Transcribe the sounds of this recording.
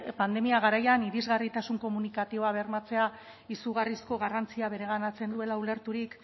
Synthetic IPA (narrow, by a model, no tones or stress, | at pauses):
pand̪e̞miaɣ̞aɾajaniɾizɣarit̪asuŋko̞munikat̪io̞aβ̞ermat͡se̞a | isuɣarisko̞ɣ̞arant͡siaβe̞ɾe̞ɣ̞anat͡se̞nd̪ue̞laule̞ɾt̪uɾik